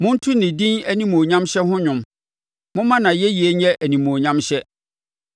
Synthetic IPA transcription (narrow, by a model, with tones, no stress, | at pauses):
mʊ̃˦n̩˦tʰu˦nĩ˨dĩ˦næ˦nĩ˦mõ˨ɲã˦mɕɛ˦ɦʊ̃˦ɲʊ̃˨m | mʊ̃˦mã˦nã˨jɛ˦ji˨e˨˦ɲɛ˦ʔæ˨nĩ˨mõ˨ɲã˦mɕɛ˦